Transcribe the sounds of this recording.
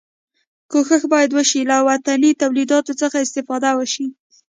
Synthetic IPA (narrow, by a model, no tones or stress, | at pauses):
koxəxbɑjad̪wəʃilawat̪anit̪awlid̪ɑt̪ot͡səxaɪst̪ɪfɑd̪awəʃi